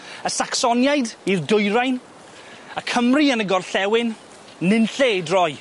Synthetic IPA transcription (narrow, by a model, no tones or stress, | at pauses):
əsaksɔnjajdirdʊjɾajn | əkʰəmriənəɡɔrɬɛwɪnː | ɪnɬedrɔj